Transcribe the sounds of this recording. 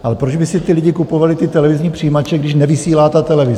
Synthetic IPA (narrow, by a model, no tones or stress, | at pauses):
ʔalɛpɾod͡ʒbɪsɪt̪ɪlɪɟɪkupo̞valɪt̪ɪt̪ɛlɛvɪzɲiːpr̥ijiːmat͡ʃɛɡdɪʃnɛvɪsiːlaːt̪at̪ɛlɛvɪz